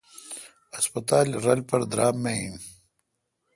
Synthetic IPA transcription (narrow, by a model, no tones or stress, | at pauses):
ɐspɐt̪aːlɾɐlpɐɾd̪ɾaːmmːeḭn